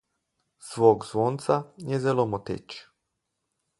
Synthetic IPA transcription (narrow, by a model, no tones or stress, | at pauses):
sʋoːɡz̥ʋoːnt̪sajezelomot̪ḛt͡ʃ